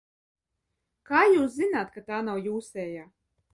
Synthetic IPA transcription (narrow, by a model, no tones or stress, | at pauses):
kaːjuːs̬zinaːt̪kat̪aːnawjuːsɛːjaː